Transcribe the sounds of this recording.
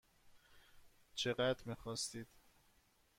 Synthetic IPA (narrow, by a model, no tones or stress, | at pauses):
t͡ʃʰeɢæd̪ɾmiːxɒːst̪iːd̪̥